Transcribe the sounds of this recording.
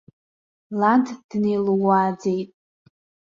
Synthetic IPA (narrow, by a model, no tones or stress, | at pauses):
ladʰd̥nejluwaːd͡ze̞jtʼ